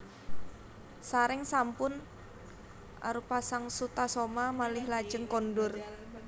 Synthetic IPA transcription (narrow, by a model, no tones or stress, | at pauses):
saɾɪŋsampʊn | ʔa̰ɾupasaŋsut̪asomamalɪhlḁd͡ʒ̥əŋkɔndʊr